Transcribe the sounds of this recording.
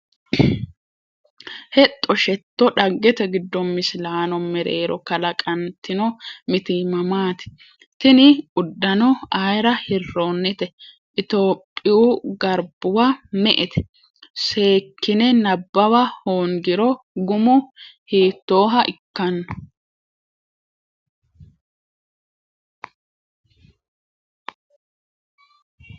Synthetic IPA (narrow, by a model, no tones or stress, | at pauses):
hɛt̪ʼːɔʃɛt̪ːɔᶑɐɡːɛt̪ɛɡɪd̪ːɔmːɪslaːnɔmɛɾḛːɾɔkɐlɐkʼɐnt̪ːɪnɔmɪt̪ɪmɐmaːt̪ɪ̥ | t̪ɪnɪʊd̪ːɐnɔajɾɐhɪrːo̞ːnːɪt̪ɛ | ʔɪt̪oːpʼːɪjuɡɐɾb̥ʊwamɛʔɛt̪ɛ̥ | se̞ːkːɪnɛnɐbːɐwɐhoːŋɡɪɾɔɡʊmʊhiːt̪ːo̞ːɦɐʔɪkːɐnːɔ